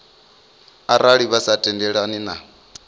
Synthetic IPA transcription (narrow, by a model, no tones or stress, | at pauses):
aɾaɺiβasatʼɛndɛɺanina